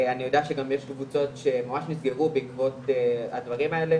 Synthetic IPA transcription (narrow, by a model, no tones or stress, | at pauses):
anijo̞deaʃeɡamjeʃkvut͡so̞tʃe̞mamaʃnisɡe̞ʁubeikvo̞t̪ead̪vaʁimae̞le